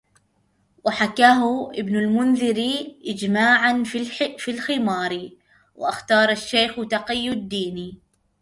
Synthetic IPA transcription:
wɪħakaːɦʊʔɪbnʊlmʊnðɪɾiʔɪd͡ʒmaːʕanfilxɪmɑːɾˤ | wʔɪ̰ʔaxt̪ɑːɾˤaʃːejxt̪ɑqɪjːʊd̪ːiːni

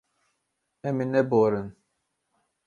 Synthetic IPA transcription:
ɛminɛboɾɨn

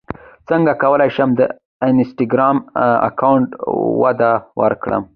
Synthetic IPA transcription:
t͡səŋɡakawəlajʃəmd̪ə | ɪnsʈiɡɾɑma̰kawɳʈwad̪awə̰ɾkɽə̰m

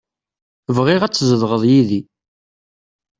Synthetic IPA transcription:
vʁɪʁæt͡sːzəðʁəðˤjiði

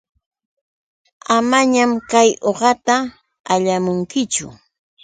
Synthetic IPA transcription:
amaɲamkajoɢɑt̪a | aʎamʊŋkɪt͡ʃʊ̰

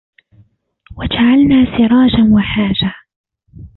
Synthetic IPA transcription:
wad͡ʒaʕalnaːsɪɾˤɑːd͡ʒanwaħaːd͡ʒa

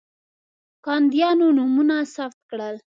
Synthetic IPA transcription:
kɑnd̪jɑnonumunasaft̪̚kɽəl

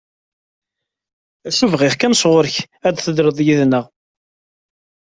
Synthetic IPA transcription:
æʃuvʁɪʁkænsʁʊɾç | æd̪θəd̪ɾəðˤjiðnəʁ

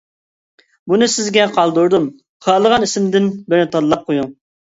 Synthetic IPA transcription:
bunɨsɪzɡʲɛqʰɑlˠd̪uɾd̪um | χɑːlˠəʁɑnisɪmd̪ɪnbɪɾnɪt̪ʰɑd̪lˠɑp̚qʰojuŋ

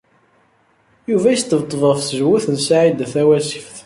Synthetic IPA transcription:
juvæjəst̪ːəvt̪ˤːvəfθəʒwuθənsaʕid̪θæwæsi̥fθ

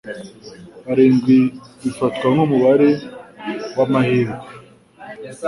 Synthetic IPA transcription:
aɾeːŋɡwiβifatkwamumuβaɾe | wamaheːɾɡe

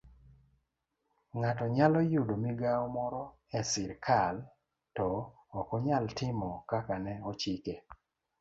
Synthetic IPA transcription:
ŋatɔɲalɔjudomiɡaɔmɔɾɔ | ɛsɪɾkʰal | tɔː | kɔɲaltɪmɔkakanɛɔt͡ʃike

